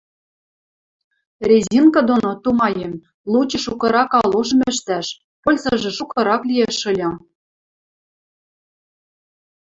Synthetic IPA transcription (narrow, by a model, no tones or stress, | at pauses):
rʲezʲinkɑd̪onot̪umɑjem | lˠut͡ɕɤ̆ʃukɤ̆ɾɑkɑloʒɤ̆mɘ̆ʃt̪æʃ | polʲzɤ̆ʒĕʃukɤ̆ɾɑklʲieʃɤ̆lʲɤ̆